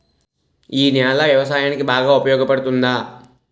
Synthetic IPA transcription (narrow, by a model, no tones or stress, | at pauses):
iːnaːlɐʋjɐʋɐs̬aːjaːnikibaːɡaːupɐjɔːɡɐpɐɽut̪und̪aː